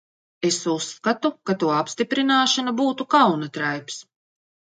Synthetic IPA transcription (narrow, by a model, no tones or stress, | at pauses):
esusːkat̪ukat̪uɔapst̪ipɾinaːʃanabuːt̪ukawnat̪ɾajps